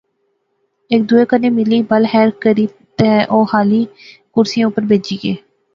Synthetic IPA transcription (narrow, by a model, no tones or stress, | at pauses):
ɪk̚d̪uːeːkənːẽːmɪliːbəlɦɛːɾkəɾiː | t̪eːʔoːhaːliː | kʊɾsijãːʊpəɾbeːd͡ʒiːɡeː